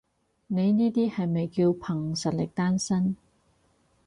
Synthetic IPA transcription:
ne˨˧jniː˥t̪iː˥hɐ˨jmɐ˨jkiː˧wpʰɐ˨˩ŋsɐ˨t̚lɪ˨˩k̚t̪aː˥nsɐ˥n

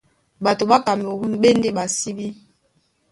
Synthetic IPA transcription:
ba˨to˨ɓa˦ka˨m˨o˨hu˦nɓe˦n˦de˦ɓa˨si˦bi˦

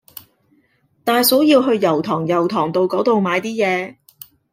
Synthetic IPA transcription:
t̪aː˨jso˨˥wjiː˧wɦɵ˧ɥjɐ˨˩wt̪ʰɔː˨˩ŋjɐ˨˩wt̪ʰɔː˨˩ŋt̪o˧wkɔː˨˥t̪o˨wmaː˨˧jt̪iː˥jɛː˨˧

